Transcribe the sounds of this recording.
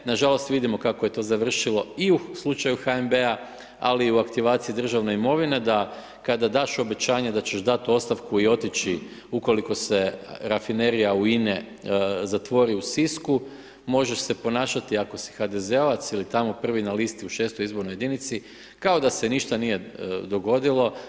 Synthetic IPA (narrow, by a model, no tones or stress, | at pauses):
naʒalo̞st̪ʋid̪imo̞kakoje̞t̪o̞ːzaʋr̩ʃilo̞iuslˠut͡ʃajuxaembea | a̰liuakt̪iʋaːt̪sijid̪r̩ʒaʋne̞imo̞ʋine̞d̪a | kad̪ad̪aːʃo̞be̞t͡ɕaːɲed̪at͡ɕeʃd̪at̪o̞st̪aʋkuio̞t̪it͡ɕi | uko̞liko̞se̞ɾafine̞ɾijauine | zat̪ʋo̞ɾiusisku | mo̞ʒeʃse̞po̞naːʃat̪iako̞si̥xad̪e̞zeo̞ʋat̪silit̪amo̞pr̩ʋinalist̪iuʃe̞ːst̪ojizboɾnoje̞d̪init̪si | kao̞d̪ase̞niʃt̪anije̞d̪o̞ɡo̞d̪ilˠo̞